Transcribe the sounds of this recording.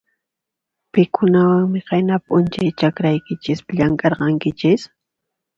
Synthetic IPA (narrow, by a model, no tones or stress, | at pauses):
pɪkʰʊnawaŋmɪɢenapʊnt͡ʃajt͡ʃakɾajkɪt͡ʃɪspaʎaŋkʼɑɾɢɑŋkɪt͡ʃɪs